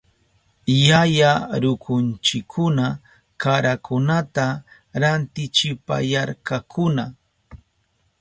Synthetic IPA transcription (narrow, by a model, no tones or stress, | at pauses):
jajaɾʊkʊnt͡ʃɪkʰːʊna | kaɾakʊnat̪a | ɾant̪ɪt͡ʃɪpa̰jaɾkakʊna